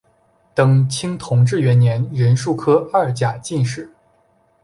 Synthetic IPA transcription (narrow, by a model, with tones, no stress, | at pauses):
t̪ɤ˨˩ŋt͡ɕʰi˥ŋt̪ʰʊ˧˥ŋʈ͡ʂɻ̩˥˩ɥɛ˧˥njɛ˧˥nɻə˧˥nʂu˥˩kʰɤ˥ɐ˥˩t͡ɕja˨˩t͡ɕi˥˧nʂɻ̩˥˩